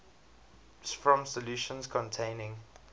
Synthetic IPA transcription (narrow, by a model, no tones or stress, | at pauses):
fɹɔ̃msɔljuʃə̃nskʰɔ̃ntʰẽɪ̃nɪ̃ŋ